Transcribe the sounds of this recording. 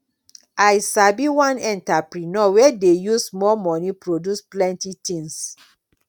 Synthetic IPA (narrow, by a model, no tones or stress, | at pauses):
ajsabiwãnɛ̃ntapɾinɔwɛdejusmɔmɔnipɾodusplɛ̃ntitĩŋs